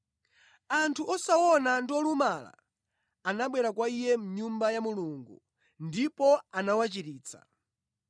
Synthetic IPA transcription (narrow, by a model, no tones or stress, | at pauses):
antʰuʔɔsawɔnandiɔlumala̰ː | naɓwɛɾakwaijɛm̩ɲumbajamuluŋɡu | ndipɔanawat͡ʃiɾiːt͡sʰa̰